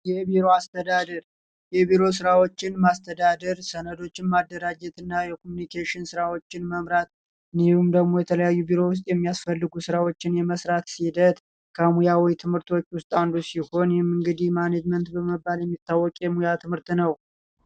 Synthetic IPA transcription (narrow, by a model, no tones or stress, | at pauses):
jɛbiɾoast̪ʰəd̪ad̪əɾ | jɛbiɾo̞s̬ɨɾawo̞t͡ʃːɪnmast̪ʰəd̪ad̪əɾsənəd̪o̞t͡ʃːɪnmad̪ːəɾad͡ʒɛt̪ɨnːajɛkʰomunikʰeʃɪnsɨɾawo̞t͡ʃːɪnməmɾat̪ | niumd̪əɡmo̞jɛt̪ʰələjajːubiɾo̞wʊs̬t̪ʼjɛmːijasfəlːɨɡusɨɾawo̞t͡ʃːɪnjɛməsɾat̪sid̪ət̪ | kʰəmujawɔjt̪ʰɨmhɨɾt̪wo̞t͡ʃːwʊst̪ʼand̪usiho̞njɛmɨŋɡɨd̪ihmaned͡ʒmənt̪bəməbːaljɛmːit̪ːawːɔkʼjɛmujat̪ʰɨmhɨɾt̪nəw